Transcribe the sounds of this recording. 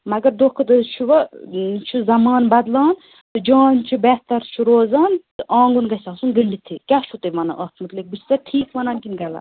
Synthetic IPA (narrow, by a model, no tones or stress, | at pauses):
mɐɡɐɾd̪oːhkʰɐt̪ɨt͡ʃʰuʋɐt͡ʃʰuzɐmaːnbɐd̪laːn | t̪ɨd͡ʒaːnt͡ʃʰibɛht̪ɐɾt͡ʃʰuɾoːzaːnt̪ɨʔaːŋɡunɡɐsɐsunɡəɳɖit̪ʰikʲat͡ʃʰut̪emɐna̰ʔɐt̪mɨt̪lik̚bɨt͡ʃʰt̪ɐʈʰiːkʋɐnaːnkinɡɐla̰